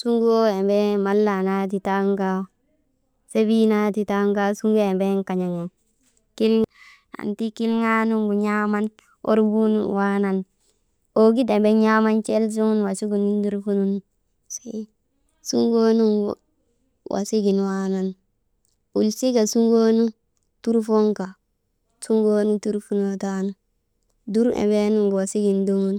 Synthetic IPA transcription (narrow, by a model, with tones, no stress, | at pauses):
su˦ŋɡo˦e˨mbe˦ma˨˦lːa˨na˦t̬i˨ta˦ŋka˦ | se˦bi˦na˦ti˦ta˦ŋka˦su˦ŋɡo˦e˨mbe˦ŋka˨ɲa˨ŋe˨ | ki˦l | a̰˨nti˦ki˦lŋa˦nu˦ŋɡu˨ɲa˦ma˦n | o̰˦ɾbu˦nwa˦na˨n | o˨ɡi˦de˨mbe˦ɲa˦ma˦nt͡ʃe˦ls̬u˦ŋu˦nwa˨si˦ɡu˨ni˦ŋɡi˦ɾfu˦nu˦n | se | su˦ŋɡo˦nu˦ŋɡ | wʔa̰˨si˦ɡi˨nwa˦na˨n | u˨lsi˦ɡa˨su˦ŋɡo˦nu˦ | tu˦ɾfo˦ŋka˨ | su˦ŋɡo˦nu˦tu˦ɾfu˦no˨ta˦nu˦ | du˦ɾʔḛ˨be˦nu˦ŋɡwa˨si˦ɡi˨ndu˦ŋu˦n